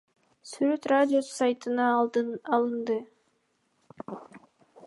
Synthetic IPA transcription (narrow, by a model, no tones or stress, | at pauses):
syɾøt̪radʲɪjosajt̪ɯnɑɑlˠɯnd̪ɯ